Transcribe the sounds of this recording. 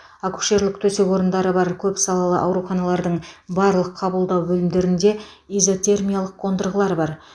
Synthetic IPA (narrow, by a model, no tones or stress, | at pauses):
aku̥ʃe̞ɾlɪk̚t̪ʰɵse̞kwo̞ɾənd̪ɑɾəbɑɾkʲʰɵpsɑlˠɑlˠə̰ʔɑwɾuχɑnɑlˠɑɾd̪əɴbɑɾlˠəqʰːɑbəlˠd̪ɑwbɵlɪmd̪e̞ɾɪnd̪e̞ | ijzo̞t̪ʰe̞rmʲijalˠəqːʰo̞nd̪əɾʁəlˠɑɾbɑɾ